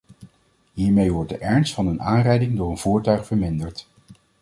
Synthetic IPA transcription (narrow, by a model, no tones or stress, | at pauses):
ɦiːɹmejʋɔɹd̚dəʔɛɹnstfɑnənaːnrɛjdɪŋdʊːɹənv̥uːɹtœɥχfəɹmɪndəɹt